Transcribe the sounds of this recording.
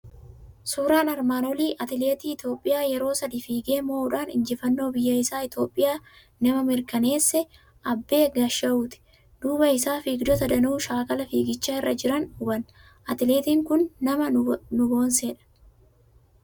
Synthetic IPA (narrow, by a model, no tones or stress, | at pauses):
suːɾaːnɐɾmaːnɔliːʔɐt̪ɪle̞ːt̪iːɪt̪jo̞ːpʼːɪjaːjɛɾo̞ːsɐd̪iːfiːɡe̞ːmoːʊᶑaːnɪ̰nd͡ʒɪfɐnːo̞ːbɪjːɐɪsaːɪt̪o̞ːpʼːɪjaː | nɐmɐmɪɾkɐne̞ːsːɛ | ʔɐbːe̞ːɡɐʃːɐʔuːt̪ɪ̥ | d̪̥uːbɐɪsaːfiːɡd̪ɔt̪ɐd̪ɐnuːʃaːkɐlɐfiːɡɪt͡ʃːaɪrːɐd͡ʒɪɾɐnʊbɐn | ʔɐt̪ɪle̞ːt̪iːŋkʊnːɐmɐnʊbo̞ːnseːᶑɐ̥